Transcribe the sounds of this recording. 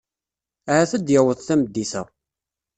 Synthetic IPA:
æhæθəd̪jæwəðˤθæməd̪ːiθə̰

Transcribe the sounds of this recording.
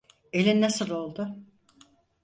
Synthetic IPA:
e̞lʲinːasɯlˠo̞lˠd̪ʊ

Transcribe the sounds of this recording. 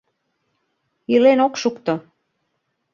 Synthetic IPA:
ilenokʃukt̪o

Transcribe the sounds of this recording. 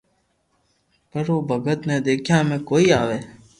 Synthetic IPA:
kəɾoːbʱəɡət̪neːd̪eːkʰjãːmẽːkoːiːaːʋeː

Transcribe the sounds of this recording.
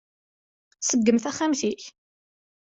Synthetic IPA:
səɡːəmθæχæmθiç

